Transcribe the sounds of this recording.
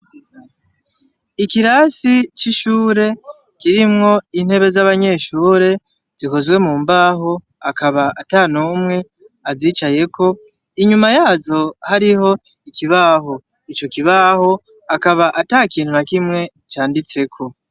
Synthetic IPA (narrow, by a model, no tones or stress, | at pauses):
ikiɾasit͡ʃiʃuːɾe̞ | kiɾimŋo̞in̥he̞βe̞zaβaɲe̞ːʃuːɾe̞ | z̥iko̞zwe̞muːmbaːɦo̞ | akaβaataːnuːmŋe̞ | aziːt͡ʃaje̞ko̞ | iɲumajaːzo̞haɾiho̞ | ikiβaɦo̞ | it͡ʃo̞kiβaho̞ | akaβaʔataːkiːn̥hunakimŋe̞ | t͡ʃaːndit͡se̞kʰo̞